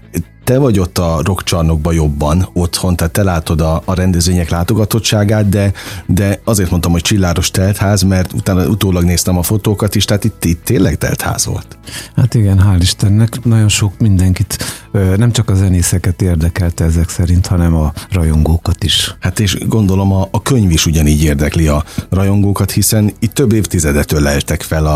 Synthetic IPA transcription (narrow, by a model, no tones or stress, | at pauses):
t̪ɛvɒɟo̞t̪ːɒro̞kt͡ʃɒrno̞ɡ̚bɒjo̞bːɒno̞t̪ho̞nt̪aːt̪ːɛlaːt̪o̞d̪ɒːɾɛnd̪ɛzʋeːɲɛklaːt̪o̞ɡɒt̪o̞t͡ʃt͡ʃːʃaːɡaːt̪̚d̪ɛd̪ɛɒzeːrt̪mo̞nt̪ɒmho̞c̚t͡ʃilːaːɡo̞ʃt̪ɛlt̪haːzmɛrt̪ṵt̪aːnɒʔut̪oːlɒɡneːst̪ɛmɒfo̞t̪oːkɒt̪iʃt̪ɛɦat̪it̪ːit̪ːeːnlːɛɡt̪ɛ̰lt̪ha̰ːz̥vo̰lt̪hat̪iɡɛnɦaːliʃt̪ɛnːɛknɒɟo̞nʃo̞kmind̪ɛŋkit̪ːnɛmt͡ʃɒkɒzɛneːsɛkɛt̪eːrd̪ɛkɛlt̪ɛɛzɛksɛɾint̪hɒnɛmɒrɒjo̞ŋɡoːkɒt̪iʃhat̪eːʃɡo̞nd̪o̞lo̞mɒːkø̞ɲviʃuɟɒniːɟeːrd̪ɛkliɒrɒjo̞ŋɡoːkɒt̪hisɛnit̪ːø̞bːeːft̪izɛd̪ɛt̪øːlːɛɛt̪ɛkfɛlɒ